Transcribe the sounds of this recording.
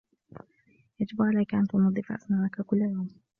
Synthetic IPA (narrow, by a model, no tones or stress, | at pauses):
jad͡ʒɪbʕalajkaʔant̪ʊnɑd̪ˤːɨfʔa̰snaːʔakakʊlːajawm